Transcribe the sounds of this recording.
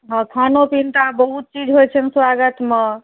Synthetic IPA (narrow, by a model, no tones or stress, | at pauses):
ɦãkʰanopint̪abəɦut̪̚t͡ʃid͡ʒɦojt͡ʃʰənswaɡət̪me